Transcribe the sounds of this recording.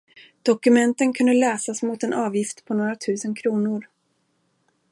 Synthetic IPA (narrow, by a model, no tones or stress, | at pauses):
d̪̥ɔkɵmɛnt̪ənkʰɵnd̪əlɛːsasmʊt̪ɛnʔɑːvjɪft̪pʰɔnoːɾat̪ʰʉ̟ːsənkʰɾuːnʊɾ